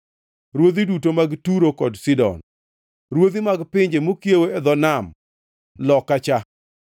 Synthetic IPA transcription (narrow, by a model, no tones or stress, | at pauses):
ɾwod̪idutomaɡtuɾokɔdsɪdɔ̰n | ɾwod̪imaɡpɪɲd͡ʒemokjeweɛd̪ɔnam | lɔkːat͡ʃa